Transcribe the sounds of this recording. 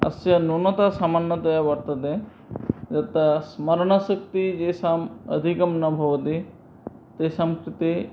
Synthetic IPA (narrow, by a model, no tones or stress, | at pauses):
ɐ̰sjɐnunɐt̪asamanːɐt̪ɐjaʋɐɾt̪ɐd̪e | d͡ʒɐt̪ːɐsmɐɾɳɐsɐk̚t̪id͡ʒeːsamɐ̰d̪ʱikɐmnɐbʱɐʋɐt̪i | t̪eːsɐmkɾit̪i